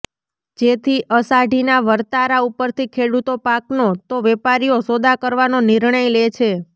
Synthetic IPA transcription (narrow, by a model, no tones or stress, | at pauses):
d͡ʒet̪ʰiʔəsaɖʱinaʋəɾt̪aɾaupəɾt̪ʰikʰeɽut̪opaknot̪oʋɛpaɾijosod̪ʱakəɾʋanoniɾɳəjlet͡ʃʰe